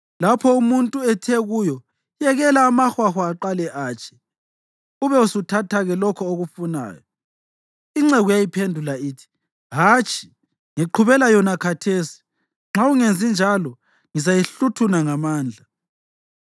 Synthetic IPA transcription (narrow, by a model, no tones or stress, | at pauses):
lapʰɔumuntʼuɛtʰɛɣujɔ | jɛɣɛlaːmaxwaxwaːǃalɛʔaːt͡ʃʼʰɛ̥ | uβɛusutʰatʰaɣɛlɔkʰɔoɣufuna̰ːjɔ | iŋ͡ǁɛɣujajipʰendʱulaiːtʰi̥ | ɦaːt͡ʃʰʼi̥ | ŋiǃʰuβɛlajɔnakʰatʰesi̥ | ŋ͡ǁauŋend͡zʱind͡ʒʱalɔ | ŋizajiɬutʰunaŋamaːnd͡ɮʱa